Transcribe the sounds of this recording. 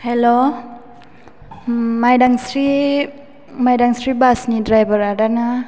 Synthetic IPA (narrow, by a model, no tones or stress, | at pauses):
hɛlo | majdaŋsɾi | majdaŋsɾibasnidɾajbəɾadana